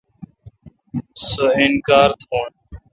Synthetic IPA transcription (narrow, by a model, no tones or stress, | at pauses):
səɪnkaːɾt̪ʰõːn